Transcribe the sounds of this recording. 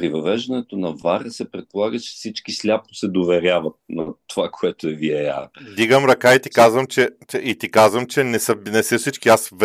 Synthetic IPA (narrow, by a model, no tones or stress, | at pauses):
pɾivɐvɛʒd̪ɐnɛt̪onɐvaɾəsɛpɾɛt̪̚polˠaɡət͡ʃɛ̥fsit͡ʃkislʲapnosɛd̪ovɛɾʲjavɐt̪̚nɐt̪ovakoɛt̪oɛviɛja̰d̪iɡəmɾɐkait̪i̥kazvəmt͡ʃɛt͡ʃɛit̪ikazvəmt͡ʃɛnɛsəbnɛsəfsit͡ʃkiasv